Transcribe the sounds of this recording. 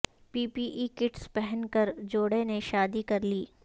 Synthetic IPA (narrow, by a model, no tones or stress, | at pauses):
piːpiʔikɪʈspɛɦɛnkɐɾd͡ʒoːɽeneʃaːd̪ikɐɾliː